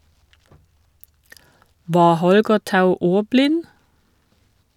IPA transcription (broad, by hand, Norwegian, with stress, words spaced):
ˈʋɑː ˈhɔlɡə ˈtɑʉ ˈuːʁˌblɪn